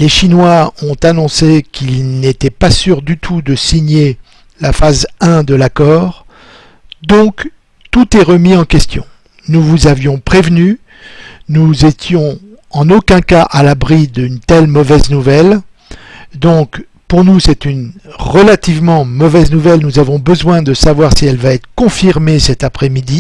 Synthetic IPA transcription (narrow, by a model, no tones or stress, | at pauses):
leʃinwaɔ̃t̪anɔ̃sekʰilnet̪ɛpasyʁd̪yt̪ʰud̪əsiɲe | lafazɛ̃d̪əlakɔːʁ | d̪ɔ̃k | t̪ut̪ɛʁəmiɑ̃kʲɛst̪jɔ̰̃ | nuvuzavjɔ̃pχevny | nuzet̪jɔ̃ | ɑ̃nokʲɛ̃kaʔalabʁid̪ynt̪ɛlmɔvɛznuvɛl | d̪ɔ̃k | puʁnusɛt̪ynʁəlat̪ivmɑ̃mɔvɛznuvɛlnuzavɔ̃bəzwɛ̃d̪əsavwaʁsiɛlvaɛt̪χə̥kɔ̃fiʁmesɛt̪apχɛmid̪i